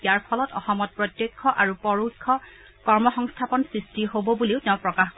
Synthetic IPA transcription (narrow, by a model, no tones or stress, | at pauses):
aɹpʰɔlɔtɔxɔmɔt̚pɹɔtjekʰːɔʔaɹupɔɹukʰːɔ | kɔɹmɔxɔŋstʰapɔnsɹistiɦobɔbuleʊtɛʊ̃pɹɔkax